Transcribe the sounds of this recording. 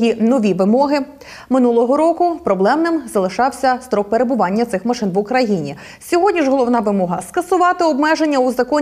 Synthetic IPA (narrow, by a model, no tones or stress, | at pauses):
jinɔʋʲiʋɪmɔɦɪ | mɪnulˠɔɦɔɾɔkʊpɾɔblˠɛmnɪmzɐlˠɪʃɑwsʲɐst̪ɾɔk̚peɾe̞bʊʋɑnʲːɐt̪sɪxmɐʃɪnʋʊkɾɐjinʲḭ | sʲɔɦɔdʲnʲiʒɦɔlˠɔwnɑʋɪmɔɦɐskɐsʊʋɑt̪ɪɔbmɛʒe̞nʲːɐuzɐkɔ